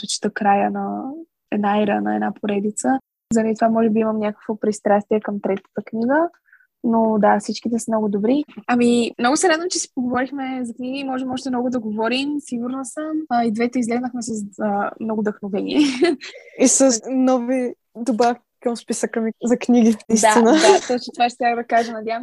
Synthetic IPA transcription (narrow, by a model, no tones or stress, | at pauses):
t̪ot͡ʃi̥t̪əkɾajənɐ | ɛd̪naiɾənɐɛ̰dnapʰoɾɛd̪it̪sə | zəɾɐd̪it̪ovamɔʒɛbiiməmnʲakə̥kvopɾist̪ɾast̪iɛkəmt̪ɾɛt̪ə̥t̪əkniɡə | nod̪afsit͡ʃkit̪ɛsəmnɔɡʊd̪obɾiɐmimnɔɡʊsɛɾad̪ot͡ʃɛsi̥poɡovɔɾixmɛzɐkniɡimɔʒɛmɔʃ̬t̪ɛmnɔɡʊd̪ɐɡovɔɾimsiɡuɾnəsəmid̪vɛt̪ɛizlɛznəxmɛsəsəmnoɡʊd̪əxnovɛnḭɛ | isənɔvi | d̪oba | kəmspisəkəmizɐkniɡinɐisd̪anəd̪at̪ɔt͡ʃɛt̪ovat͡ʃɛt̪ɾʲakəd̪ɐkaʒənɐd̪ʲjavəmsɛ